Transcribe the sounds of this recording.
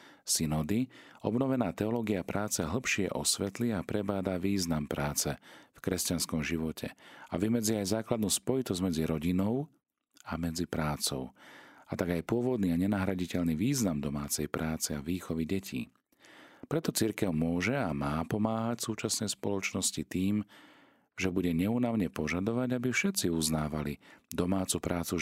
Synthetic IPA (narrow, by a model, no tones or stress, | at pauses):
sinɔd̪iɔ̰bnɔʋɛnaːt̪ɛɔlɔːɡiapɾaːt͡sɛɦl̩pʃɪɛ̰ʔɔsʋɛt̪liapɾɛbaːd̪aʋiːznampɾaːt͡sɛfkɾɛscanskɔmʒiʋɔcʰɛ̰a̰ʋimɛd͡ziajzaːklad̪nuːspɔjit̪ɔzɟmɛd͡ziɾɔɟinɔʊ | amɛd͡zipɾaːt͡sɔ̰ʊat̪aɡajpʊɔʋɔd̪niːaɲɛnaɦɾaɟicɛʎniʋiːznamd̪ɔmaːt͡sɛjpɾʔaːt͡sɛaʋiːxɔʋiɟɛcʰḭː | pɾɛt̪ɔt͡siɾkɛʊmʊɔʒɛamaːpɔmaːɦacsuːt͡ʃasnɛjspɔlɔt͡ʃnɔscit̪iːm | ʒɛbuɟɛɲɛunaʊɲɛpɔʒad̪ɔʋaɟabifʃɛt̪t͡siuznaːʋalid̪ɔmaːt͡supɾʔaːt͡su